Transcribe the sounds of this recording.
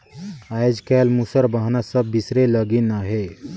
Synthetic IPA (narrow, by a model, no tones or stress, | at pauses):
ajd͡ʒkalmusəɾbəɦnasəbːisɾeləɡinaɦe